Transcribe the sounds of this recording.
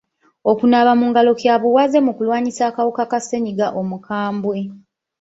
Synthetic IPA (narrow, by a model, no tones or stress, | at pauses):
o̞kunaβamuːŋɡalo̞kjaβuwaze̞mukulwaːɲisaːkawukakase̞ɲiɡaʔo̞mukʰaːmbwe̞